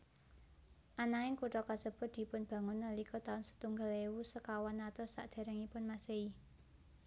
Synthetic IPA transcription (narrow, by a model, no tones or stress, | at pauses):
ʔanaɪŋkuʈɔkasəb̥ʊ̤t̪̚d̪̥i̤pʊnb̥ä̤ŋʊnːəlikɔt̪aʊnsə̥t̪uŋɡa̤lewusəkawanːat̪ɔsa̰ʔd̪̥e̤ɾɛŋipʊnmasei